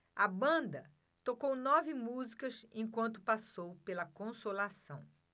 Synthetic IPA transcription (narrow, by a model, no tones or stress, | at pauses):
ɐbɐ̃d̪ɐ | t̪okownɔvɪmuzikɐsẽj̃kwɐ̃nt̪ʊpasowpelɐkõsolasɐ̃w̃